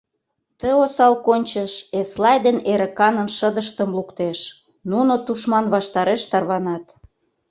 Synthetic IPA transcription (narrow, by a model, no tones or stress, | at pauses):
t̪əosɑlkonʲt͡ɕəʃeslɑjd̪eneɾə̆kɑnənʃəd̪əʃt̪əmlukt̪eʃ | nunot̪uʃmɑnβɑʃt̪ɑɾeʃt̪ɑrβɑnɑt̪